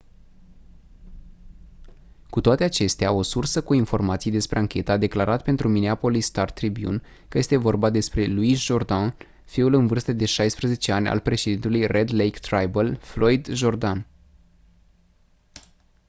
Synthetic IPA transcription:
kut̪oat̪eat͡ʃe̞st̪eao̞sursəkuinfo̞rmat̪sijd̪e̞spɾe̞aŋkʲe̞t̪əaːd̪e̞klaɾat̪̚pe̞nt̪ɾumineapo̞list̪art̪ɾibjṵn | kəje̞st̪e̞vo̞rbad̪e̞spɾe̞luisʒo̞rd̪an | fiulɨnvɨrst̪əd̪e̞ʃajspɾəze̞t͡ʃeanʲa̰lpɾe̞ʃe̞d̪int̪elujrʔe̞d̪lejkt̪ɾajbəlflo̞jd̪ʒo̞rd̪an

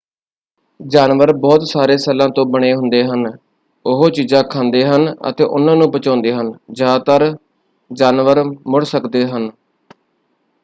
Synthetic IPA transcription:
d͡ʒaːnʋəɾbɔːt̪saːɾeːsɛlãːt̪õːbəɽ̃eːɦʊnd̪eːɦən | ʊɦoːt͡ʃiːzãːkʰãːnd̪eːɦənə̰t̪ḛːʔʊ̰nãːnũːpət͡ʃãːnd̪eːɦənd͡ʒaːt̪əɾ | d͡ʒaːnʋəɾmʊɽsəkd̪eːɦən

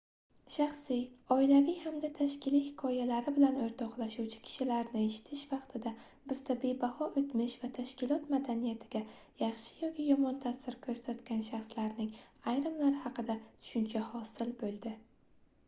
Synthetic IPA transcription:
ʃɑχsɪjɒɪlavijhamd̪at̪ʰaʃkʲʰɪlijhɪkʰɒjalaɾɪbɪlanoɾt̪ʰɒqlˠaʃuwt͡ʃʰɪ̥kʲʰɪ̥ʃɪlaɾnɪeʃɪ̥t̪ʰɪʃvɑqt̪ʰɪd̪a | bɪz̥d̪ʰabe̞bahɒʔot̪mɪʃvat̪ʰaʃkʲɪlˠɒt̪mad̪anijat̪ʰɪɡʲajɑχʃɪ̥jɒkʲɪjɒmɒnt̪ʰasːɪɾkʰɵɾsat̪kʲanʃaχslaɾnɪŋajɾɪmlaɾɪhɑqɨd̪at̪ʰʊ̥ʃʊnt͡ʃʰahɒsɪlbolˠd̪ɪ

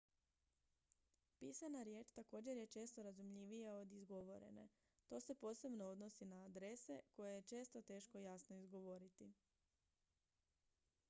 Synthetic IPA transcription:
piːsanaɾje̞ːt͡ʃt̪ako̞ːd͡ʑe̞ɾje̞t͡ʃe̞ːst̪o̞ɾazumʎiʋije̞o̞d̪izɡo̞ʋo̞ɾe̞̰ne̞̰ | t̪o̞ːse̞po̞ːse̞bno̞o̞d̪no̞sinaːd̪ɾe̞se̞̰ko̞jeje̞t͡ʃe̞ːst̪o̞t̪e̞ːʃko̞jasnoizɡo̞ʋo̞ɾit̪i

